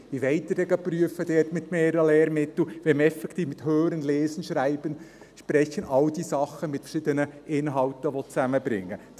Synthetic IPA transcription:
ʋiʋɛɪt̪ədɛɡəpryəfəd̥ɛːtmɪt̪meːɾəleːɾmɪtl̩ʋɛmɛfɛkt̪iːfmɪt̪høːɾənlɛːsənʃɾæɪb̥ən | ʃpɾɛçənʔɑld̥isɑχːəmɪtfə̥ɾʃɪd̪ənəʔɪnɦɑltəʋɔt͡sæməbɾɪ̰ŋːə

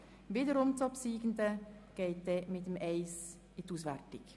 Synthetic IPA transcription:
viːdəɾʊmtɔpsiːɡəndəɡ̥eɪt̚d̥ɛmɪtəmɛɪs | ɪtuːsʋærtɪk

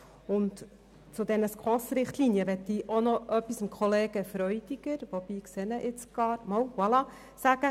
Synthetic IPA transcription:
ʊnt | t͡sʊd̥̪ɛnəskʰɔsɾɪχtlinjəʋɛt̪diːʔonɔʔœpːisɪmkʰχoleːɡ̥əfɾœʏd̥ɪɡ̥əɾʋob̥iːkseːnəʔɪt͡sɡ̥ɑːɾmɑwwɑlɑ | sæɡ̥ə

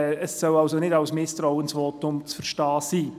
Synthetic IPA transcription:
əsːœwɑlsonɪdɑʊsmɪstraʊənsʋɔːtʊmt͡sfəɾʃtɑːsiː

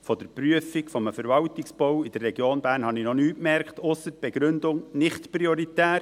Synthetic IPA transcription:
fɔd̥əɾpryəfikfɔməfəɾvɑwtɪksb̥ɔwid̥ərːɛɡ̥joːnbæːɾnhɑnɪnɔnyːtmɛɾkχt̪ʊsːəɾ̚b̥ɛɡ̥ɾɵnd̪ʊŋnɪχtpɾiɔɾitæːɾ

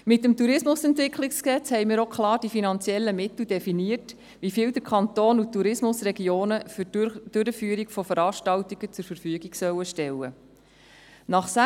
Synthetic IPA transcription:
mɪtːəmt̪uɾɪsmʊsɛntʋɪkχlɪkskɛt͡shɛɪmiːɾokʰχlɑːrd̥ifinɑnt͡sjɛlːəmɪt̪l̩d̥ɛfiniərt | ʋifiːld̪əɾkʰɑnt̪oːnutːuɾɪsmʊsɾɛɡioːnəfd̥øɾəfyːəɾikfɔfəɾɑːʃtɑwt̪iɡ̥ət͡sʊɾfəɾfyəɡiɡsœwːəʃtɛlːə̰ | nɑχsæ

